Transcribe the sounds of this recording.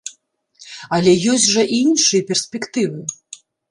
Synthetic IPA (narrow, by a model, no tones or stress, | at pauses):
ɐlʲɛjɔsʲʐɐʔinʂɨjɐpʲɛrsʲpʲɛkt̪ɨvɨ